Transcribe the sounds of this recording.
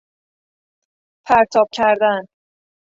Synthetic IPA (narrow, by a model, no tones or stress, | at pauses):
pʰæɾt̪ʰɒːb̥̚cʰæɾd̪æn